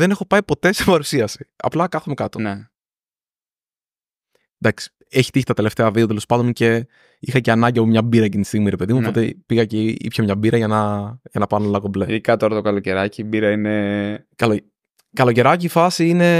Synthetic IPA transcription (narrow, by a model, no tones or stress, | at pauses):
ðene̞xo̞pɐipo̞t̪e̞sepɐɾusiɐsi̥ɐ̰plɐkɐθumekɐt̪one | nd̪ɐksi̥ | eçi̥t̪içi̥t̪ɐt̪e̞le̞ft̪eɐviðet̪elospɐnd̪once̞ | ixɐceɐnɐɲɟiɐpomɲɐbiɾɐecint̪ist̪iɣumiɾe̞pe̞ðimuopot̪epiɣɐceḭpçɐmɲɐbiɾɐʝɐnɐʝɐnɐpɐnolɐkobleðikɐt̪oɾɐt̪okɐloce̞ɾɐcibiɾɐine | kɐlo | kɐlo̞ce̞ɾɐcifɐsiine̞